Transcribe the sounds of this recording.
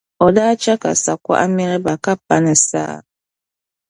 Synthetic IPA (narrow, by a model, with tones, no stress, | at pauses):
ɔ˨daː˦t͡ʃa˦ka̰˨sa˨kʷa̰˦ʔa˦mɛ˦ɾɛ˦ba˨ka˦p̚a˦nɛ˨sa̰ː˦˨